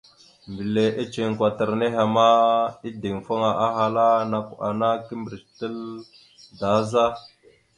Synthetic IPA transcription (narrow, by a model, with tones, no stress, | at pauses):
mbi˨le˨ʔe˦t͡ʃe˨ŋkwa˨tə˨ɾne˦ɦa˨ma˦i˦di˨ŋfo˦ŋa˨ʔa˦ɦa˨la˦na˨ka̰˨na˦ki˦mbɾi˨stə˦l | da˨˦za˦